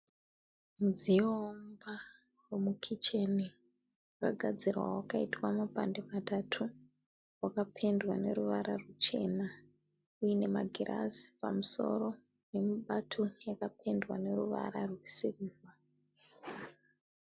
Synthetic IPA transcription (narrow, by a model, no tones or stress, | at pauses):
nd͡ziomba | womukʰit͡ʃe̞ni | wakaɡʱad͡zirwa̰wakaitwamapandematatʰu | wakapʰe̞ndwane̞ɾuʋaɾʔarut͡ʃe̞na | ujine̞maɡʱirʔa̰zi̥pa̰muso̞̰ɾo̞ | ne̞muɓatʰojakapʰe̞ndwane̞ɾuʋa̰ɾarwesiriːva